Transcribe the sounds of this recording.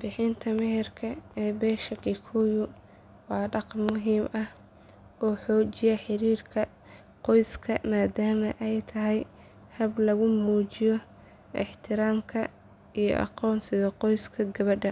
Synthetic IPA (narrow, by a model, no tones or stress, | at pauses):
bɪħɪnt̪ʰɐmɛɦɪrkʰɐɛːbɛːʃɐkikʰujʊ | wɑːɖɑqnmʊɦiːmʔɐh | ʔɔːħɔːt͡ʃɪjɐħɪɾiːrkʰɐ | qɔjskʰɐmaːd̪aːmɐʔɛjt̪ʰɐɦɛj | hɐblɐɣʊmuːt͡ʃɪjɔ | ʔɪħt̪ʰɪɾaːmkʰɐ | ijɔ̰ʔɑ̰qɔːnsɪɣɐqɔjskʰɐɡɐβɐɖɐ